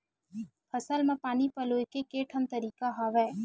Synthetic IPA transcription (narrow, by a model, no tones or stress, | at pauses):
pʰəsəlmãpaːnipəloːjkekeːʈʰənt̪əɾiːkaɦaːʋɛː